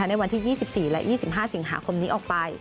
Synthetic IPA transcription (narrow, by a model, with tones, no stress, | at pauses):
a˦˥na˧jwa˧nt̪ʰiː˥˩jiː˥˩si˨˩p̚siː˨˩lɛ̰˦˥ʔjʔiː˥˩si˨˩p̚ɦaː˥˩si˩˦ŋɦa̰ː˩˦kʰo˧mniː˦˥ʔɔː˨˩k̚pa˧j